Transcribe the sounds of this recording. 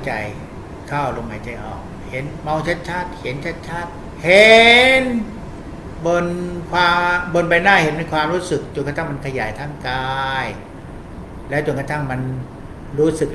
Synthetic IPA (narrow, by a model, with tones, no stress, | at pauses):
t͡ɕa̰˧j | kʰaː˥˩˨ʔlo˧maː˨˦jt͡ɕa˧jʔɔ̰ː˨˩k̚ | he˩˦nmɔ˧ŋt͡ɕʰa˦˥t̪̚t͡ɕʰa˦˥˩t̪̚he˩˦nt͡ɕʰa˦˥t̪̚t͡ɕʰa˦˥˩t̪̚ | he˨˦n | bo˧nkʰwaː˧bo˧npa˧jnaː˥˩he˨˩˦nme˧˥jkʰwaː˧mɾuː˦˥sɯ˨˩k̚t͡ɕo˧nka˧t̪ʰa˥˩ŋma˧nkʰa˧jaː˩˦jt̪ʰaː˥˩ŋkaː˧j | lɛː˦˥wt͡ɕo˧nka˧t̪ʰa˥˩ŋma˧n | ɾuː˦˥sɯ˨˩k̚